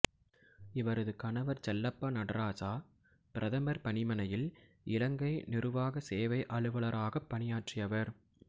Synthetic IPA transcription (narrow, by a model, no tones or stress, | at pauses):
ɪʋɐɾɐðɯkɐnɐʋɐɾt͡ʃɛlːɐpːɐnɐɽɐɾaːsaː | pɪɾɐðɐmɐɾpɐɳɪmɐnɐjɪl | ʔɪlɐŋɡɐɪnɪɾɯʋaːɣɐseːʋɐɪʔɐɭɯʋɐɭɐɾaːɣɐpːɐnɪjaːʈrɪjɐʋɐɾ